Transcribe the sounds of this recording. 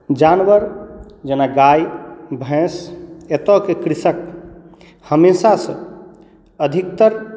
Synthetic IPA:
d͡ʒanʋəɾd͡ʒenaɡajbʱɛ̃set̪ɔkekɾisək | həmeːsasə̃ | əd̪ʱik̚t̪əɾ

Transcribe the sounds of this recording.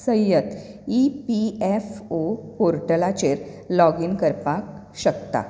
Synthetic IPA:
sə̃jət̪ | ipiɛfopoɾʈəlat͡ɕeɾ | lɔɡinkəɾpak | ɕəkt̪a̰

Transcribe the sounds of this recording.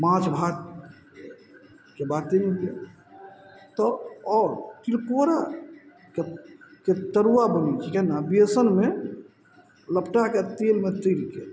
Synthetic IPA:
mãt͡ʃbʱak | kebat̪enike | t̪ɔɔːɾt̪ilkoɾa | keket̪əɾuwabənit͡ʃʰikɛɦnabiesənme | ləpʈaket̪eːlmet̪ilke

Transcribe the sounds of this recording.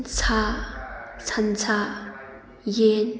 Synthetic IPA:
t͡sʰa | t͡sʰant͡sʰa | jen

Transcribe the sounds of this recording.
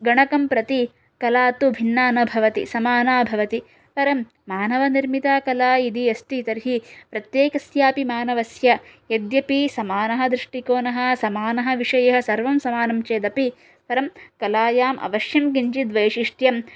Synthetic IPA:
ɡɐɳɐkɐmpɾɐt̪i | kɐlaːt̪ubʱinːaːnɐbʱɐʋɐt̪ḭsɐmaːnaːbʱɐʋɐt̪i | pɐɾɐmː | aːnɐʋɐniɾmit̪aːkɐlaːid̪iɐst̪it̪ɐɾɦipɾɐt̪jeːkɐsjaːpimaːnɐʋɐsjɐjed̪jɐpisɐmaːnɐɦɐ̆d̪ɾiʂʈikoːnɐɦɐ̆sɐmaːnɐɦɐ̆ʋiʂɐjɐɦɐ̆sɐɾʋɐmsɐmaːnɐmt͡ʃeːd̪ɐpi | pɐɾɐmkɐlaːjaːmʔɐ̰ʋɐʃjɐmkiɲt͡ʃid̪ʋɐjʃiʂʈjɐm

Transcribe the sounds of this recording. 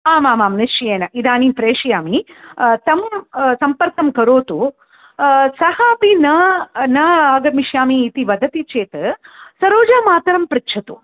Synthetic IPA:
aːmaːmaːmnist͡ʃijeːnɐʔid̪aːnipɾeːʂijaːmit̪ɐmsɐmpɐɾk̪ɐmkɐɾoːt̪u | sɐhaːpinɐnɐaːɡɐmiʃjaːmiːt̪iʋɐd̪ʱɐt̪it͡ʃeːt̪ɨsɐɾoːd͡ʒaːmaːt̪ɐɾɐmpɾikːt͡ʃʰɐt̪u

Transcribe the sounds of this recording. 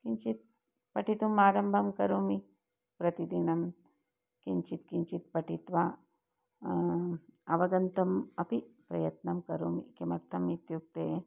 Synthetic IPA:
kiɲt͡ʃit̪̚ | pɐʈit̪umaːɾɐmbʱɐmkɐɾoːmi | pɾɐt̪id̪inɐm | kiɲt͡ʃit̪kiɲt͡ʃit̪̚pɐʈit̪ʋaː | ɐʋɐɡɐnt̪ɐmɐpipɾɐjɐt̪nɐmkɐɾoːmikemɐɾt̪ʰɐmit̪juk̚t̪eː

